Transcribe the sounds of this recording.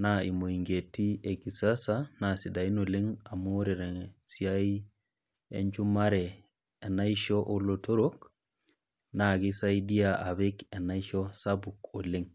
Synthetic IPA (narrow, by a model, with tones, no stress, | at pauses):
nai˨mo˨i˨ŋɡe˨tːi˦e˨ɡi˨sasanasi˨da˨i˦no˨li˦ŋa˨mo˦ɾe˨ɾe˨si˨ja˦i | ḛɲd͡ʒu˦ma˦ɾeː˨ | na˦iʃo˦ʔo˦lo˨to˦ɾok | naɡi˦sa˦idi˦jaʔa˨βe˦ke˨na˦iʃosabuko˨li˦ŋ